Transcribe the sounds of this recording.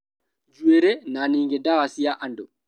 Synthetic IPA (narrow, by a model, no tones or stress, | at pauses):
d͡ʒueɾenaniŋɡedawasiaʔando